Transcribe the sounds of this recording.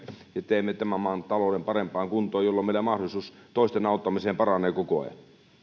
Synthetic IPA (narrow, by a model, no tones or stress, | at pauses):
jet̪eˑːmːet̪æmæmɑːˑnt̪ɑloˑdempɑrempˑɑːŋkunt̪ˑoːjolːɑmeˑilæmɑhdolisuːst̪oˑist̪enɑˑut̪ːɑmiseːmpɑrɑnˑeːkoko̰ḛ